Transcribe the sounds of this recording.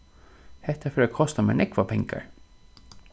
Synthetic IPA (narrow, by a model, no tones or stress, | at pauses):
hɛht̪afœɾakʰɔst̪amɛ̰nɛkʋapʰɛŋka̰ɹ